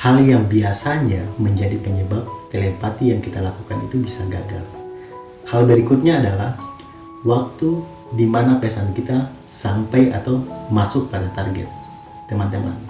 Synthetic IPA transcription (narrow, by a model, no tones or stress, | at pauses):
haljaŋbiasaɲaməɲd͡ʒadipəɲəbap̚t̪elepat̪ijaŋkit̪alakukanḭt̪ubisaɡa̰ɡa̰l | halbəɾikʊt̪̚ɲaːdalah | wak̚t̪u | dimanapɛsankit̪a | sampəjat̪awmasʊk̚padat̪arɡɛ̰t̪̚ː | əmant̪əma̰n